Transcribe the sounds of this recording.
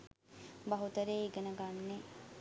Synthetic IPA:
baɦut̪əɾeiɡənəɡanːe

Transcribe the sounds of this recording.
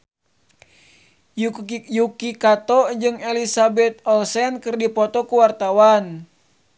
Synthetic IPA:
jukikat̪ɔd͡ʒɨŋɛlisabɛt̪̚ɔlsɛnkɨrdipɔt̪ɔkuwart̪awan

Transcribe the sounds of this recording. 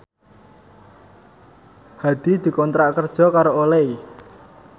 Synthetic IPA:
had̪̥i̤d̪̥i̤kɔnt̪ɾaʔkərd̥ʒ̥ɔ̤kaɾoolei

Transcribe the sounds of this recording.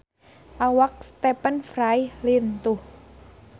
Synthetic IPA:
ʔawak̚st̪ɛpənfɾajlint̪uh

